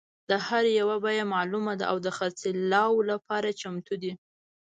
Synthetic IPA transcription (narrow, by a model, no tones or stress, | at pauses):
d̪əhaɾjawabajamɑlumad̪a̰ʔawd̪əxaɾt͡selɑwlapɑɾat͡ʃamt̪ud̪i